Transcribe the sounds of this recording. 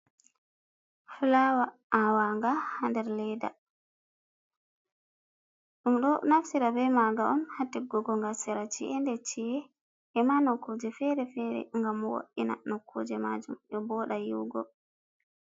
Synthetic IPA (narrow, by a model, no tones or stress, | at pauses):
fulawaʔawaŋɡahandɛɾlɛjda̰ | ɗumɗɔnafsiɾabɛmaɡaʔɔmhatːiɡɔɡɔŋɡasiɾat͡ʃiʔɛndɛt͡ʃiɛ | ɛmanɔkːod͡ʒɛfɛɾɛfɛɾɛ̰ŋɡamwo̰ʔina̰nɔkʰːo̰d͡ʒɛmad͡ʒumʔɔbɔːɗajiwɡɔ